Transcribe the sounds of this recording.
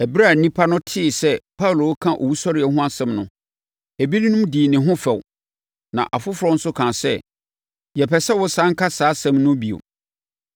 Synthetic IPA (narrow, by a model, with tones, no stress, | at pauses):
ɛ˨bɾa˦˨nĩ˦pʰa˦nʊ̃˦tʰɪ˦˨sɛ˦pʰa˦wu˨lo˨˦kʰã˦ʔo̰˨wu˦sɔ˦ɾɪ˨ɛ˨hʊ̃˦a˦sɛ̃˨mnʊ̰̃˨ | æ˨bi˦nĩ˦nʊ̃˦mdiː˨nɪ̃˨ɦʊ̃˦fɛ˨w | nã̰˨ʔa˨fʊ˦fʊɾɔ̃˦n̩˦sʊ˦kʰãː˨sɛ̰˦˨ | jɛ˨pʰɛ˨sɛ˦wʊ˦sãː˦ŋ̩˦kʰa˦saː˦sɛ̃˦˨mnʊ̃˦bi˨o̰˨